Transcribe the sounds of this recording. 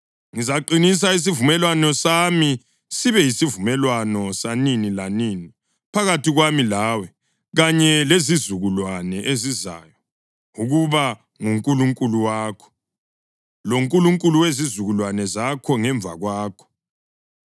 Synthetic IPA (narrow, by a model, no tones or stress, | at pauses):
ŋizaǃinis̬ais̬ivumɛlwanɔsami | siβɛjisivumɛlwanɔsaninilanini | pʰaɣatiɣwamilaːwɛ | ɣaɲɛlezizuɣulwanɛʔeziza̰ːjɔ | uɣuβa | ŋuŋkʼuluŋkʼuluwaːkʰɔ̥ | loŋkʼuluŋkʼuluwezizuɣulwanɛzakʰɔŋɛɱb̪vʱa̰ɣwaːkʰɔ̥